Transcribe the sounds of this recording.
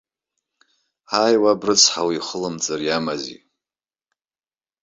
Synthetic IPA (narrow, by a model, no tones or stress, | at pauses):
aːjwabrɨt͡sʰħawiiχəlɨmt͡sʼɨrjamazḭ